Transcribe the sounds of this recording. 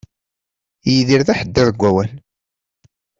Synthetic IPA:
jiðiɾðæħəd̪ːəðəɡʷːæwæn

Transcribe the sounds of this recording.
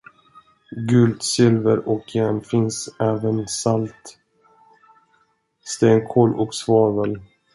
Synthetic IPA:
ɡɵld̪sɪlvəɾɔkʰjɛmfɪnsɛːvənsalt̪ | st̪eːŋkʰoːlʔɔ̰ksvɑːvəl

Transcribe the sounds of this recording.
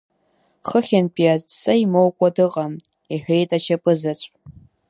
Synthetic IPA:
χəχʲanpʼiatt͡sʼaimowkʷʼadɨqʼam | iħᶣʷejtʼat͡ʃʰapʼɨzat͡sʷʼ

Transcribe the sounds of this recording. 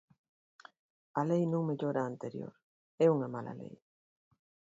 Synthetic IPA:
ɐlejnũŋmeʎoɾaːnt̪eɾjo̰ɾ | ɛuŋɐmala̰lḛj

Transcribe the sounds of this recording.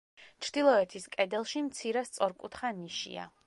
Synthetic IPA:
t͡ʃʰɾd̪̥ilˠɔɛt̪ʰiskʼɛd̪ɛlˠʃimt̪sʰiɾɛst̪sʼɔɾkʼut̪ʰχaniʃḭa̰

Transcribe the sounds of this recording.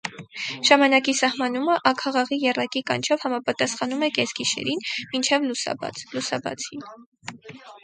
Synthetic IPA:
ʒ̥ɑmɑnɑkisɑhmɑnuməʔɑkʰɑʁɑʁijɛrɑkikɑnt͡ʃʰɔvhɑmɑpɑt̪ɑsχɑnumɛkɛzɡiʃɛ̰ɾinmint͡ʃʰɛvlusɑ̰bɑ̰t͡slusɑbɑ̰t͡sʰin

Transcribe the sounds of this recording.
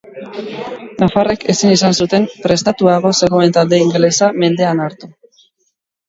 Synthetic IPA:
nafareke̞sinisansut̪e̞mpɾe̞st̪at̪uaɣ̞o̞se̞ɣ̞o̞ent̪ald̪e̞iŋɡelesame̞nd̪e̞anaɾt̪u

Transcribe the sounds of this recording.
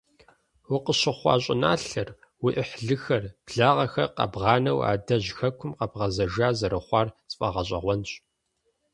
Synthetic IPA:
wʊqəɕɪχʷɑ̰ːɕʼɪ̰naːɬɐr | wiʔɪħɮɨxɐrb̥ɮaːʁɐxɐ̰qɐ̰bʁɑːnɐwa̰ːdɐʑxɐkʷʰʊmqɐbʁɐzɐʒaːzɐɾɨχʷɑːrt͡sʼfʼɐʁɐɕ̬ʼɐ̰ʁʷɔnɕʼ

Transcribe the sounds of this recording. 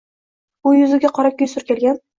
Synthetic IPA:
ʊjʊzɪɡʲaqʰɒɾakʲɪjsʊɾkʲʰe̞lɡʲan

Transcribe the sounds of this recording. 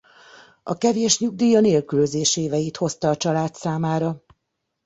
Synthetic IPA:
ɒkɛveːʃɲuɡ̚d̪iːjɒneːlkyløzeːʃeːvɛjit̪ho̞st̪ɒːt͡ʃɒlaːt̪saːmaːɾɒ

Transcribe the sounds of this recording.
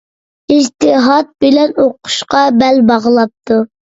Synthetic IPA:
id͡ʒt̪ʰɪɦɑt̪̚bɪlɛnoqʰʊ̥ʃqɑbɛlbɑʁəlˠɑp̚t̪ʰu

